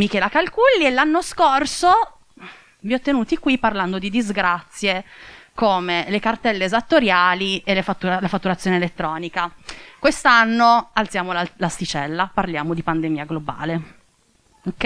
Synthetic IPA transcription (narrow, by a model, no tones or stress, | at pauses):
mikɛːlakalkulːielːanːoskorso | viɔt̪ːenuːt̪ikwipːarland̪od̪id̪izɡɾat̪sːjekoːmelekart̪ɛlːeːzat̪ːoɾjaːlielefat̪ːuɾlafat̪ːuɾat̪sːjoːnelet̪ːɾɔːnikakwest̪anːoalt̪sjaːmollast̪it͡ʃɛlːaparljaːmod̪ipand̪emiːaɡloba̰ːle | okːɛ